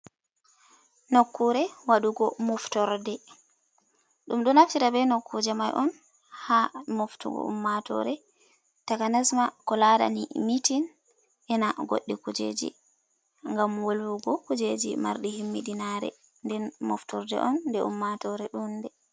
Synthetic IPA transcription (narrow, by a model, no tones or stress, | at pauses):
nokːuɾɛwaɗuɡɔmɔftɔɾdɛ | ɗumɗɔnaftiɾabɛnokːud͡ʒɛmajʔɔn | hamoftṵɡɔ̰ṵmːatɔ̰ɾɛ | takanasmakɔlaɗa̰nḭmitin | ʔɛnaɡo̰ɗːikud͡ʒḛd͡ʒḭ | ŋɡamwolwuɡɔkud͡ʒed͡ʒḭma̰ɾɗihimːiɗinaɾɛ̰ | ndɛnmɔ̰ftɔɾdɛ̰ʔɔnːdɛṵmːatɔɾɛɗundɛ